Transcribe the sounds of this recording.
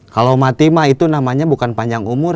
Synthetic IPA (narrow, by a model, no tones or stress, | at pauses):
kalawmat̪imait̪unamaɲabukanpaɲd͡ʒaŋumʊr